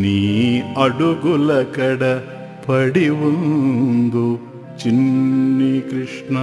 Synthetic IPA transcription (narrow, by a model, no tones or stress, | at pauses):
niːɐɽuɡulɐkɐɽɐ | pʰɐɽiʋonnd̪u | t͡ʃinːikɾiʂɳɐ